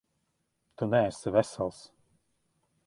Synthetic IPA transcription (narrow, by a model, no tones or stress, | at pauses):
t̪unɛɛsvɛsɛlˠs